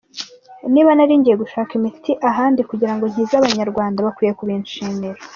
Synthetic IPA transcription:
niːβanaɾiːɲɟije̞ɡuʃaːkimitʰiʔaɦaːndikuɟiɾaŋɡo̞nhizaβaɲaɾɡwaːndaβakwiːje̞kuβinʃiːniɾa

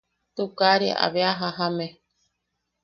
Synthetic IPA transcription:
t̪ukaɾiʔa̰βeaɦaɦamẽ

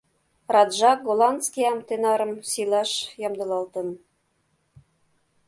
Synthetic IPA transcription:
rɑd̪ʒɑk̚ɡolˠɑnd̪skʲiɑmt̪ĕnɑɾɤ̆msilɑʃjɑmd̪ɤ̆lɑlt̪ɤ̆n

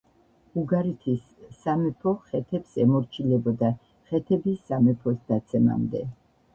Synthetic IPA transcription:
uɡaɾit̪ʰisː | amɛpʰɔχɛt̪ʰɛpsɛmɔɾt͡ʃʰilɛbɔd̪a | χɛt̪ʰɛbisːamɛpʰɔsd̪̥at̪sʰɛma̰md̪ɛ̰

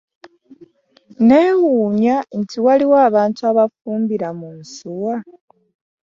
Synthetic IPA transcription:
neːwuːɲantʰiwaliwaːβaːntuaβafuːmbiɾamunsuwa

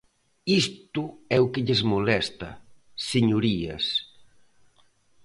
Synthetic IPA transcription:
ist̪uɛukeʎezmulɛst̪ɐ̰ | seɲuɾiɐ̰s

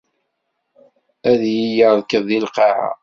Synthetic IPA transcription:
æðjijəɾðkəðˤilqɑʕa̰

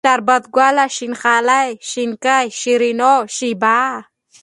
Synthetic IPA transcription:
aɾbat̪̚ɡwalaʃinxalajʃinkajʃiɾinoʃiba

